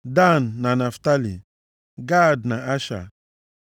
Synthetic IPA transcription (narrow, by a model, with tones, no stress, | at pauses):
da˦nːa˨na˨fta˦lḭ˨ | ɡa˦dna˨a˦ʃa̰˨